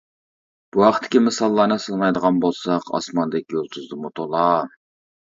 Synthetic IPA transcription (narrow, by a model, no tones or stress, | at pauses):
b̥uhɑqt̪ʰːɪ̥kʲimɨsɑlˠːɑːnɨsɨlˠnɑjd̪əʁɑnbolˠsɑqɑ̰smɑnd̪ɛkʲjolˠt̪ʰʊzd̪ɨmut̪ʰolˠɑ